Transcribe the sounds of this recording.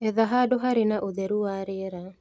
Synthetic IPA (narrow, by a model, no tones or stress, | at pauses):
ɛðaɦadoɦaɾɪnaʔod̪eɾuaɾɪɾa